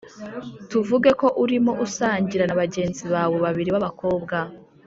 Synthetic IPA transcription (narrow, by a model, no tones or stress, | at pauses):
tuvuɡe̞ko̞ʔuɾimo̞ʔusaːɲɟiɾanaβaɟe̞ːnziβaːwe̞βaβiɾiβaβako̞ːbɡa